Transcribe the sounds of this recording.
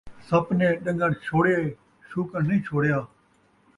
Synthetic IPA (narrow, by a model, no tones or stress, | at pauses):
səpnẽːɗə̃ŋɡəɽt͡ʃʰoːɽe | ʃuːkəɳ̤lĩːt͡ʃʰoːɽjaː